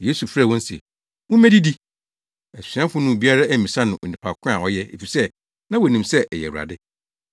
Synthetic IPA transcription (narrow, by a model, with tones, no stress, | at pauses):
jeː˦su˨fɾa˨wɔ̃˦n̩˦sḛ˨ | wʊ̃˦mæ̃˦di˦di˦ | ɛ˨sɥã˦fʊ̃˦nʊ̃˦˨bi˦a˦ɾa˦ɛ˨mĩ˨sã˦nʊ̃˨ʔo˨nĩ˨pʰa˨kʰʊ̃˦a̰˨ɔ˦jɛ˦ḛ˨fi˨sɛ˦ | nã˦wo˨nĩ˨msɛ˦ʔɛ˨jɛ̰˨wu˨ɾa̰˨dɪ˦